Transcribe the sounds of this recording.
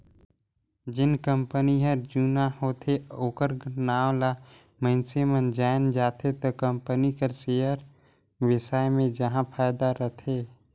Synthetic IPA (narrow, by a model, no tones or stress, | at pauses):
d͡ʒɪnkə̃mpəniɦəɾd͡ʒuːnahoːt̪ʰeoːkəɾɡnaːw̃la | mə̃ɪnsemənd͡ʒaːɪnd͡ʒaːt̪ʰet̪okəmpənikəɾseːjəɾ | wɪsaːemẽd͡ʒəɦãpʰaːjd̪aɾət̪ʰeː